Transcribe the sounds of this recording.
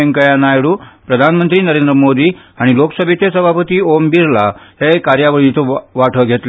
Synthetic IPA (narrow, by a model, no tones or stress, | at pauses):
eŋkəjanajɽuːpɾəd̪ʱanmənt̪ɾiːnəɾend̪ɾəmod̪iː | aɽ̃iloksəbʱet̪esəbʱapət̪iːombiɾlaɦekaɾjaʋəɭit̪əʋaʈʰəɡʱet̪l